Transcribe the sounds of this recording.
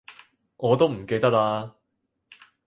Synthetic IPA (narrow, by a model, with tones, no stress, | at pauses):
ŋɔː˨˧t̪o˥wm̩˨˩ke˧jt̪ɐ˥k̚laː˧